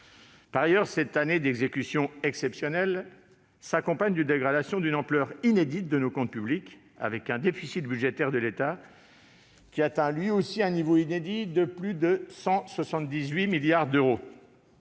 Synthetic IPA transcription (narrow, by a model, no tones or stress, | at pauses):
paʁajœʁsɛt̪aned̪eɡzekʲysjɔ̃ɛksɛpsjɔnɛl | sakɔ̃paɲd̪yd̪eɡʁad̪asjɔ̃d̪ynɑ̃plœʁined̪it̪̚d̪ənokɔ̃t̪̚pyblik | a̰vɛkɛ̃d̪efisit̪byd̪ʒet̪ɛʁd̪əlet̪a | kʲːiat̪ɛ̃lɥiosiɛ̃nivoined̪id̪əplyd̪əsɑ̃swasɑ̃t̪̚d̪izɥimiljaʁd̪øʁo